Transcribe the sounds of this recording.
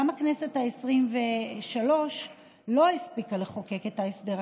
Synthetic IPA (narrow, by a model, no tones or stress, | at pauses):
amaknese̞thaesʁimveʃalo̞ʃ | lo̞ispikaleχoke̞ke̞t̪haesd̪eʁ